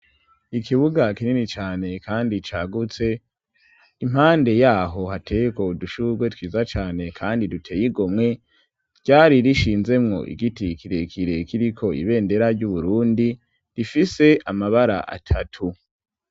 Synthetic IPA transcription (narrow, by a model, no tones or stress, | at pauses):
ikʰiβuɡakininit͡ʃaːne̞kʰaːndit͡ʃaːɡut͡se̞ | im̥haːnde̞jaːɦo̞hatʰe̞jeko̞duʃuɡwe̞twiːzat͡ʃaːne̞kʰaːndidutʰe̞ːjiɡo̞mŋe̞ | ɟ̥aːɾiɾiʃiːnze̞mŋo̞̰ʔḭɡitikʰiɾe̞kʰiɾe̞kiɾikʰo̞ḭβe̞ːnde̞ɾaɾɟuβuɾuːndi | difise̞ʔamaβaɾa̰ʔa̰tʰatʰu